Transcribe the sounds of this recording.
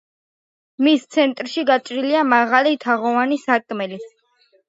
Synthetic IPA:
mist̪sʰɛnt̪ʼɾʃiɡat͡ʃʼɾiliamaʁalit̪ʰaʁɔvanisakʼmɛli

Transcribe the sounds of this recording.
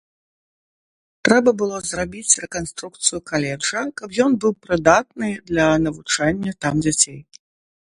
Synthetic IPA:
t̪ɾɛbɐbɨlˠɔzrabʲit͡sʲrɛkanst̪ɾukt̪sɨjʊkalʲɛʐɐkɐpjɔnbɨwpɾɨd̪at̪̚nɨd̪lʲɐnɐvut͡ʂanʲːɐt̪amd͡zʲat͡sʲej

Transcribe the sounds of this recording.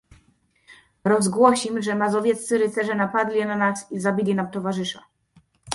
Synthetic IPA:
ɾɔzɡwɔɕimʐɛmazɔvʲjɛt̪ssɘɾɘt̪sɛʐɛnapad̪lʲinanasizabʲilʲinamt̪ɔvaʐɘʂa

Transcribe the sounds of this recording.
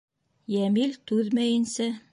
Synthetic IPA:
jæmilt̪ʉðmæjɘ̆nsæ

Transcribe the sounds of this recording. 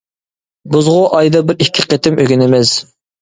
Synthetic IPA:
buzʁʊʔɑjd̪ɑbɪɾikʲʰːɪqʰet̪ʰɪmøɡʲynɪmɪz̥

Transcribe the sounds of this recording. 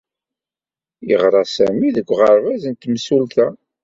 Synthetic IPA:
jəʁɾˤɑsæmiðəɡʷːʁəɾvæzənt̪msult̪æ

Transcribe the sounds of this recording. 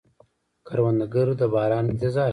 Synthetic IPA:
kʰaɾwand̪aɡəɾod̪əbɑːɾɑːnɪnt̪ɪzɑː

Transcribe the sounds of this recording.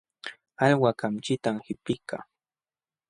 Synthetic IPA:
ɑlwakamt͡ʃɪt̪amhɪpɪka̰

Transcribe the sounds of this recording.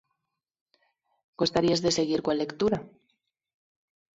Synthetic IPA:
ɡ̥ost̪aɾiazðe̞se̞ɣiɾkwalːe̞kt̪uɾa

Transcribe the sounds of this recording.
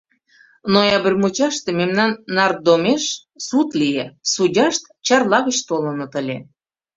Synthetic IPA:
nojɑbə̆rʲmut͡ɕɑʃt̪ememnɑnːɑr̚d̪omeʃ | sut̪lijesudʲɑʃt̪ | t͡ɕɑrlɑɣət͡ɕt̪olə̆nɤ̆t̪əlʲe

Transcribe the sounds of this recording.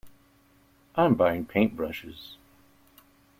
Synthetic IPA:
ʔãɪ̃mbaɪɪ̃ŋpʰẽɪ̃nb̥ɹʌʃɪ̰z̥

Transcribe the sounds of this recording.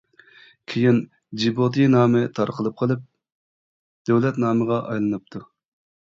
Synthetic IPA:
kʲʰijin | d͡ʒibot̪ʰɨnɑːmɨt̪ʰɑɾqʰəlˠɨp̚qʰəlˠɨp̚ | d̪̥øwlɛt̪nɑːməʁɑʔɑjlˠɨnɨp̚t̪ʰu

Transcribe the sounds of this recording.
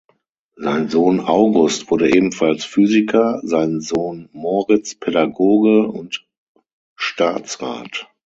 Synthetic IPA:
zaɪnzoːnʔaʊɡʊstv̥ʊɐɾəʔeːbm̩falsfyːzɪkʰɐzaɪnzoːnmɔʁɪt͡spʰɛdaɡoːɡəʊ̰nt | ʃtaːt͡sʁa̰ːt

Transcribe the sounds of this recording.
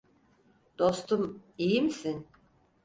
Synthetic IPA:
d̪̥o̞st̪ʰumijimisin

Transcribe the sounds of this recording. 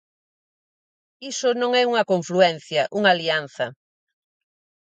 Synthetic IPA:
isʊnõŋɛuŋɐkõɱfluɛn̟θjɐʔuŋalian̟θɐ

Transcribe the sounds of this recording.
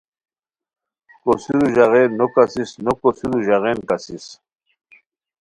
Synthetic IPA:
kosiɾuʑaʁenːokasisnokosiɾuʑaʁeːnkasis

